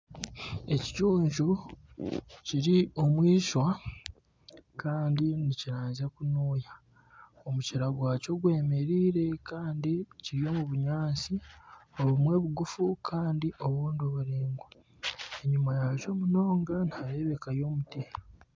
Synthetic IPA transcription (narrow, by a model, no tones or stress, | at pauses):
e̞ci̥cuːɲʒu | ciɾio̞mwiːʃwa | kaːndiniciɾaːɲzakunuːja | o̞muciɾaɡwaːco̞ɡwe̞ːme̞ɾiːɾe̞kaːndiciɾijo̞muβuɲaːsio̞βumwe̞βuɡufukʰaːndiʔo̞βuːndoβuɾiːŋɡwa | e̞ɲumajat͡ʃo̞ːmuno̞ːŋɡanhaɾeβe̞kajo̞ːmuteh